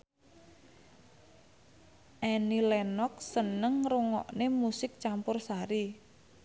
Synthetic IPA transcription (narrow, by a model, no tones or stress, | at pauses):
ʔɛnilɛnɔk̚sənəŋruŋɔ̰ʔnemusɪk̚t͡ʃampʊrsaɾi